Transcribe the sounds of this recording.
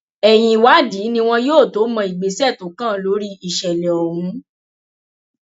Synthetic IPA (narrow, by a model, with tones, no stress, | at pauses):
ɛ˨j̃ĩ˧wa˦di˨˦nĩ˧w̃ɔ̃˧joː˦˨to˨˦mɔ̃˧i˨ɡ͡be˨sɛ˦˨tõ˨˦kã˦˨˦lo˧˦ɾi˦i˨ʃɛ˨lɛ˨ɔ˨ɾũ˨˦